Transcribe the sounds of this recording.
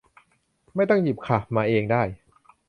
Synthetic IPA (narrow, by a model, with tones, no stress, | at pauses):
ma˥˩jt̪ɔ˥˩ŋji˨˩p̚kʰa˨˩maː˧ʔeː˧ŋdaː˥˩j